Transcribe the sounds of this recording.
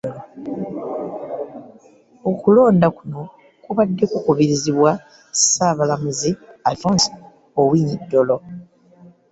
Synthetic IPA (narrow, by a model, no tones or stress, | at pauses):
okulo̞ːndakuno̞ | kuβadːe̞kukuβiɾiziβwa | saːβalamuziavons | owiːnidːo̞lo̞